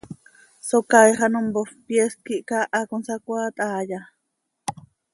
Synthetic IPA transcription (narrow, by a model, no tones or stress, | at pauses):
sokajχanombofpjes̚kiʔkaʔakunsakʷat̪ʼaːja